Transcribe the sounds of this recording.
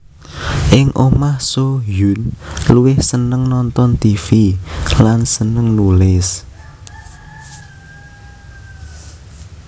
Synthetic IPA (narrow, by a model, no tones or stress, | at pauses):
ʔɪŋʔomahsojunluwɪhsənəŋnɔnt̪ɔnt̪ifilansənəŋnulɪs